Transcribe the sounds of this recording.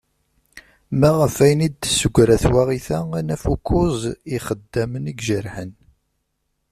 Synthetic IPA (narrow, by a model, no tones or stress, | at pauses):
mæʁəfæjnid̪səɡʷɾæθwæʁiθæænæfukʰːʊzˤiχəd̪ːæməniɡʒəɾħən